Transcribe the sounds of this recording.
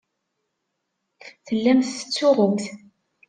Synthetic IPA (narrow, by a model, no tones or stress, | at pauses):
θəlːæmθə̥t͡sːʊʁəmθ